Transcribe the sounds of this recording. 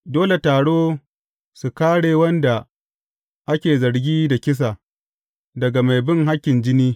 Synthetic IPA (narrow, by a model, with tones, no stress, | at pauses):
doː˦le˨taː˨ɽoː˦ | su˨kaː˦ɽeː˨wɐ˦nda˨ | ʔa˦kʲeː˨zɐ˨ɾɡʲiː˦da˨kʲɪ˦s̬a˨ | dɐ˨ɡa˨ma˨jbɪ˦ŋɦa˦kʲːɪ˨nd͡ʒɪ˦niː˦